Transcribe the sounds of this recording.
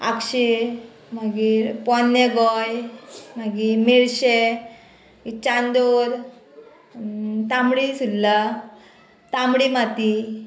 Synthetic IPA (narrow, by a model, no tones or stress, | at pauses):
a̰kɕe | maɡiɾpɔneɡɔjmaɡiːmiɭɕe | aɡit͡ɕand̪oɾ | t̪ãmɽisulla | t̪ãmbɽimat̪i